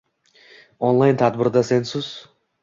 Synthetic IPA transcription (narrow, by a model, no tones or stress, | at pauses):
onlˠajnt̪ʰad̪bɪɾd̪ɑsensus